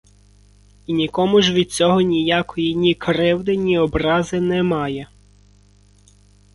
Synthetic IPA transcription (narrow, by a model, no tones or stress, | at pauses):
inʲikɔmʊʒʋʲid̪̥̚t͡sʲɔɦɔnʲijakɔjinʲikɾɪwd̪ɪnʲiɔbɾɑzɪnɛmɑjɛ